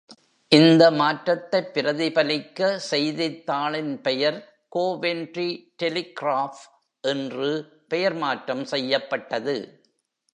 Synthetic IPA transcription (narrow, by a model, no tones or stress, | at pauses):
ʔɪnd̪ɐmaːʈɾɐt̪ːɐɪpːɪɾɐðɪpɐlɪkːɐsɛjðɪt̪ːaːɭɪnpɛjɐɾ | koːʋendriʈɛlɪkɾaːf | ʔɛndrɯ | pɛjɐɾmaːʈɾɐmsɛjːɐpːɐʈːɐðɯ